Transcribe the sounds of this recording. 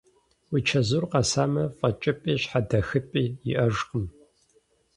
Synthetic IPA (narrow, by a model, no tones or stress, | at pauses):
wit͡ʃʰɐzurqɑsaːmɐfʼɐt͡ʃʼɪpʼiːɕħadɐxɨpʼiːjɪ̰ʔɐʒqəm